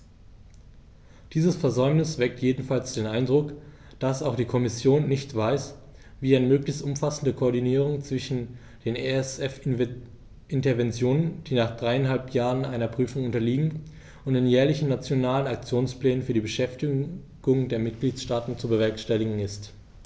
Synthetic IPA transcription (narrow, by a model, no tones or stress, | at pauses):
d̥iːzəsfɛɐzɔʏmnɪsv̥ɛk̚tʰjeːdn̩falsd̥eːnʔaɪndʁʊk | d̥asaʊxd̥iːkʰɔmɪsjoːnːɪçtv̥aɪs | viːaɪnəmøːklɪçstʔʊmfasn̩dəkʰoːɐdiniːʁʊŋt͡sv̥ɪʃn̩ | d̥eːneɛsɛf | ʔɪntɐvɛnt͡sjoːnənd̥iːnaːχd̥ʁaɪanɦalpʰjaːʁənʔaɪnɐpʁ̥yːfʊŋʊntɐliːɡŋ̩ | ʔʊntd̥eːnjɛːɐlɪçn̩nat͡sjonaːlənak̚t͡sjoːnspl̥ɛːnənfyːɐdiːbəʃɛftɪ | ɡ̥ʊŋəndeːɐmɪt̚ɡ̥liːtʃtaːtn̩t͡subəvɛɐkʃtɛlɪɡŋ̩ɪst